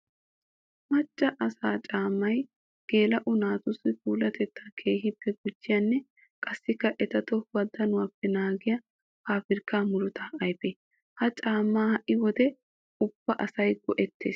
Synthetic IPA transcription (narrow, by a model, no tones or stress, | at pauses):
mɐt͡ʃʼːɐʔɐsaːt͡ʃʼaːmːɐj | ɡ̥e̞ːlɐʔʊnaːt̪ʊsːɪfuːlɐt̪ɛt̪ːakʰe̞ːhɪbːɛɡʊd͡ʒːɪjaːnːɛ | kʼɐsːɪkːɐʔɛt̪ɐt̪ɔwɐd̪ːɐnʊwaːpːɛnaːɡɪjɐ | haːfɪɾkːaːmʊlʊt̪ɐɐjpeː | hɐt͡ʃʼaːmːaːhɐʔɪwɔd̪ɛ | ʊb̥ːɐʔɐsɐjɡɔʔɛt̪ːeːs